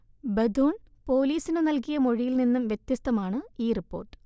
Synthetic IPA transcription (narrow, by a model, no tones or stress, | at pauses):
bɐd̪ʱoːɳpo̞ːliːsinɨnɐlkijɐmoɻijilninːumʋjet̪jɐst̪ɐmaːɳɨiːripːo̞̰ːrʈːɨ̥